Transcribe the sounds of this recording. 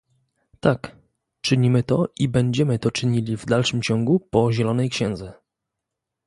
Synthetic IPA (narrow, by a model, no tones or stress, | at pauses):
t̪ak | t͡ʂɘɲimɘt̪ɔʔibɛɲd͡ʑɛmɘt̪ɔt͡ʂɘɲilʲivd̪alʂɘmt͡ɕɔŋɡupɔʑɛlɔnɛjkɕɛ̃nd̪zɛ